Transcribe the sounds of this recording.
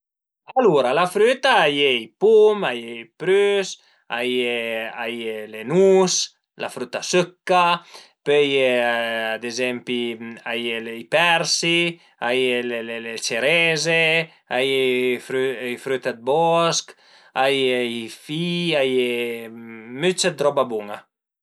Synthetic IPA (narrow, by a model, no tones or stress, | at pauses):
aluɾalafɾyt̪aajejpumajejpɾys | ajeajelenus | la̰fɾyt̪asøkːa | pøjead̪ezɛmpiajeleipɛɾsi | ajelelelet͡ʃeɾɛze | ajefɾyjfɾyt̪ad̪̚bɔsk | ajeifiaje | myt͡ʃat̪ɾɔbabuŋa